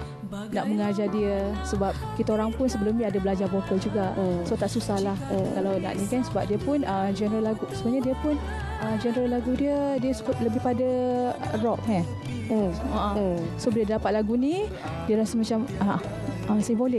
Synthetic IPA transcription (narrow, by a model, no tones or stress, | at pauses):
naʔməŋad͡ʒadiəsəbap̚kit̪aoɾaŋpʊnsəbəlʊmniadabəlad͡ʒarbokəld͡ʒuɡaʔsot̪aʔsusahlahkalawna̰ʔnikansəbap̚diəpʊnəd͡ʒɛnɾəlaɡusəmuɲadiəpʊn | əd͡ʒɛnɾəlaɡudiədiəsəbʊt̪̚ləbɪhpadərɔk̚ɛ | aʔəsobiləddapat̪̚laɡuni | diəɾasəmat͡ʃama | ʔəsimbolik